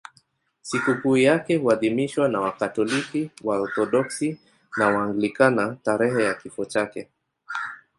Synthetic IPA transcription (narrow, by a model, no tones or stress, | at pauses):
sikukujakɛhuaðimiʃwanawakatɔlikiwaɔɾθɔɗɔksi | nawaːŋɡilikanataɾɛɦɛjakifɔt͡ʃakɛ